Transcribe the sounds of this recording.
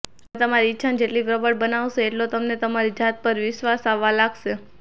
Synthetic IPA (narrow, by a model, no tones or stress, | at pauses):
t̪əmaɾiːtːʃʰand͡ʒeʈlipɾəbəɽbənaʋʃeːʈlot̪əmnet̪əmaɾid͡ʒat̪̚pəɾʋɪʃʋasaʋːalaɡʃe